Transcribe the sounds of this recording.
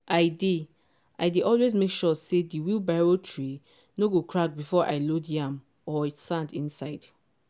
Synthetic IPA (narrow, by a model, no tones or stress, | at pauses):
aɪde | aɪdeʔɔlwezmekʃɔsediwilbaɹotʰɹi | noɡokʰɹak̚bifɔʔa̰ɪlodiãm | ɔitsãndĩnsaɪd̥